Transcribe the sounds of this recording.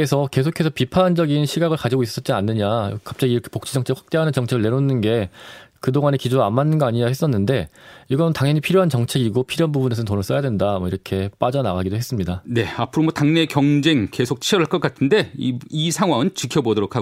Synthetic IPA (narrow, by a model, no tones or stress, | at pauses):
esʰʌke̞sʰokʰe̞sʰʌpipʰand͡ʑʌɡinɕʰiɡaɣɯɭkad͡ʑiɡois͈ʌt̚t͡ɕ͈ianːɯɲakap̚t͡ɕ͈aɡiːɾʌkʰe̞pok̚t͡ɕ͈ʰid͡ʑʌŋt͡ɕʰekɸwḁk̚t͈e̞ɦanɯnt͡ɕʌŋt͡ɕʰe̞ɡɯɭne̞ɾonːɯnɡe̞kɯdoŋane̞kid͡ʑoɾamːanːɯnɡʌaɲiɲahe̞s͈ʌnːɯnde̞iɡʌnɯntaŋɦjʌɲipʰiɾjoɦant͡ɕʌŋt͡ɕʰe̞ɡiɡopʰiɾjoɦanbubunesʰʌntonɯɭs͈ʌjadwe̞ndamʌiɾʌkʰe̞p͈ad͡ʑʌnaɡaɡidoɦe̞s͈ɯmɲidane̞apʰɯɾomʌtaŋne̞kjʌŋd͡ʑe̞ŋke̞sʰok̚t͡ɕʰiʌɾɯɭk͈ʌk͈atʰɯnde̞iisʰaŋɦwaŋɯnt͡ɕikʰjʌbodʌɾokʰa